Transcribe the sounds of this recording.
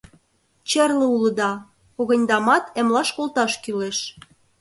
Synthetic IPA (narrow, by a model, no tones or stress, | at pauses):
t͡ɕĕrlə̆ulɤ̆d̪ɑ | koɣə̆nʲd̪ɑmɑt̪ĕmlɑʃkolt̪ɑʃkyleʃ